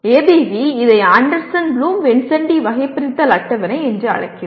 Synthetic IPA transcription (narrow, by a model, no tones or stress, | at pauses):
eːbeʋiɪðɐɪaːɳɖɐɾsɐnluːmʋɛɳsɐɳɖiʋɐɣɐɪpːɪɾɪt̪ːɐlɐʈːɐʋɐnɐɪɛndrɯɐ̰ɻɐ̰kːɯ